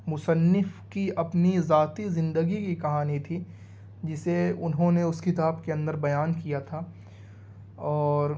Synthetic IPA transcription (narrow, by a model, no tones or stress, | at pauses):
mʊsənːɪfkiɐpnizaːt̪izɪ̃nd̪əɡikikɐɦaːnit̪ʰi | d͡ʒɪseʊnɦõneʊskɪt̪aːbkeɐ̃nd̪əɾbɐjaːnkijat̪ʰa | ɔːɾ